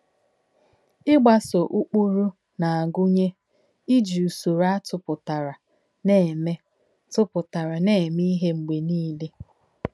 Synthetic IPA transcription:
ɪ˦ɡ͡ba˨so˨ʔu˦k͡pu˦ɾu˦ | na˨a˨ɡʊ˦ɲe˦ | i˦d͡ʒi˨u˨su˨ɾa˦tʊ˨pʊ˨ta˨ɾa˨ | ne˦˨me˦ | tʊ˦pʊ˨ta˨ɾa˨ne˦˨mi˦ɦe˦ŋ͡m̩˨ɡ͡be˨niː˦le˦

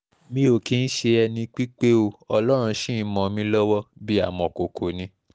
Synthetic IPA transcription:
mĩ˦o˨ki˨˧n̩˦ʃe˧ɛ˧nĩ˧k͡pi˦k͡pe˦o˧ɔ˧lɔ˦ɾ̃ũ˧ʃĩ˦˨˦mɔ̃˨mĩ˧˦lɔ˦wɔ˦bi˦a̰˦˨mɔ̃˨ko˨kʰo˨nĩ˧˦

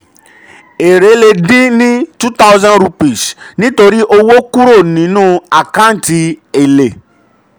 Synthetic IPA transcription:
e˨ɾe˨˦le˧dĩ˦nĩ˦tu˦ta˦wzã˦nɾu˧pi˨snĩ˨˦to˧ɾi˦ʔo˧wo˦ku˦ɾo˦˨nĩ˨˦nũ˦a˦˨kã˨˦n̩˦˨ti˧e˨le˨

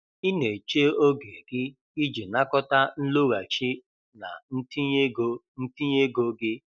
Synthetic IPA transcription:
ɪ˦ne˨t͡ʃe˦o˦ɡe˨ɡɪ˦ | i˦d͡ʒi˨na˦kɔ˦ta˦n̩˦lo˦ɣa˨t͡ʃi˦ | na̰˨n̩˦ti˦ɡo˦n̩˦ti˦ɲ˦e˦ɡo˦ɡɪ˦

